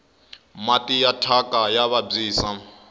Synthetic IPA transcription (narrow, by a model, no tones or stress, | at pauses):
matʼijatʰakʼajaβab͡ʐiːsa